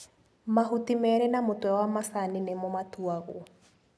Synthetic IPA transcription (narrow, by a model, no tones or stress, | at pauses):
maɦutimɛɾɛnamotwɛwamasaninemomatuaɣo